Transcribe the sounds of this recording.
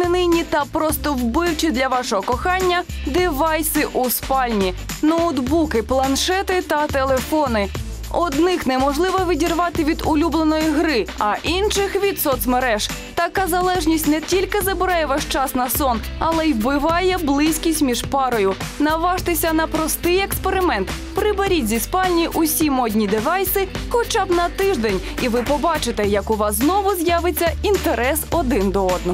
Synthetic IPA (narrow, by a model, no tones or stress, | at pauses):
nɪnɪjnʲit̪ɐpɾɔst̪ɔwbɪwt͡ʃid̪lʲɐʋɑʃɔɦɔkɔxɑnʲːɐd̪ɪʋɑjsɪʔuspɑlʲnʲinɔwd̪bukɪplˠɐnʃɛt̪ɪt̪ɐt̪elˠefɔnɪ | ɔd̪nɪxnɛmɔʒlˠɪʋɔʋʲidʲirʋɑt̪ɪʋʲid̪ʊlʲublˠenɔjiɦɾɪɐʔinʃɪxʋʲid̪sɔt̪smeɾɛʒt̪ɐkɑzɐlˠɛʒnʲisʲtʲnɛtʲilʲkɪzɐbɪɾɑjɛʋɑʃt͡ʃɑsnɐsɔnɐlˠɛjbɪʋɑjɛblˠɪsʲkʲisʲtʲmʲiʒpɑɾɔjʊnɐʋɑʃt̪ɪsʲɐnɐpɾɔst̪ɪjekspeɾɪmɛnt̪ | pɾɪbɐɾʲitʲzʲispɑnʲijiʔʊsʲimɔdʲnʲid̪ɪʋɑjsɪxɔt͡ʃɑbnɐt̪ɪʒd̪ɛnʲ | iʋɪpɔbɑt͡ʃɪt̪ɛjɐkʊʋɑsznɔʋʊzʲjaʋɪt͡sʲːɐint̪eɾɛsɔd̪ɪnd̪ɔɔd̪̚nɔ